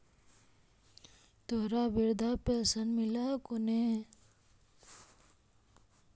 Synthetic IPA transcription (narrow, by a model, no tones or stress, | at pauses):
t̪oɦɾabiɾd̪aːpɛːsənmɪlakone